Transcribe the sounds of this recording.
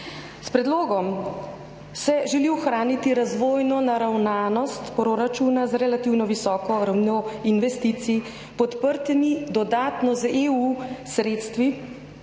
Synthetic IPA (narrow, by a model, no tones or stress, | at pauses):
spɾɛd̪loːɡɔm | sɛʒɛliɔxɾaːnit̪iɾazʋoːjnɔnaɾawnaːnɔst̪pɾoɾat͡ʃunazɾɛlat̪iwnɔʋisɔːkɔɾawnnoinʋɛst̪iːt̪si | pɔt̪pəɾt̪nid̪ɔd̪aːt̪nɔzeusɾeːt̪st̪ʋi